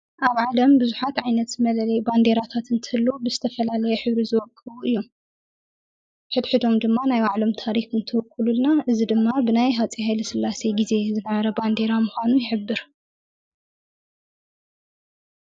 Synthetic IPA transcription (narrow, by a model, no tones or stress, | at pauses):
ʔaβʕalɐmbɨzuħat̪ʕajnɐt̪mɐlɐlɐjband̪e̞ɾat̪ʰat̪ɨnt̪ʰɨɨlːobɨzɨt̪ʰɐfɐlalɐjɛħɨβɾizɨwɔkʼʰːɨβuɨjːom | ħɨd̪ħɨd̪o̞md̪ɨmːanajwaʕlo̞mt̪ʰaɾixɨnt̪ʰɨwɔkʰʼːɨlulnaʔɨzid̪ɨmːabɨnajɦat͡sʼihajlɐsɨlːaseɡize̞zɨnɐβɐɾɐband̪e̞ɾamuxʷanujɪħɨbːɨɾ